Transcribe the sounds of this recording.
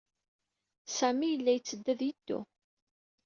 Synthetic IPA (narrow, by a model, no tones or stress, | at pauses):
sæmijəlːæjət͡sːəd̪ːæðjəd̪̥ːṵ